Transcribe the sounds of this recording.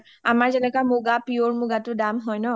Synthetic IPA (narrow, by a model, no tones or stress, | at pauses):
amaɹzɛnɛkamuɡapioɹmuɡatudamɦɔjnɔ